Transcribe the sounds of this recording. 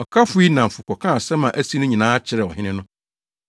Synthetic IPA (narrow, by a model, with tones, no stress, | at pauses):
ɔ˨kʰa˦fʊ˦i˦nã˨m̩˨fʊ˨kʷɔ˨kʰãː˦˨sɛ˦mã˨ʔæ˦si˦nʊ̃˦ɲĩ˨nãː˨˦t͡ɕʰɪ˦ɾɛ˨wɔ̰˨ɦɪ̃˦nɪ̃˦nʊ̃˦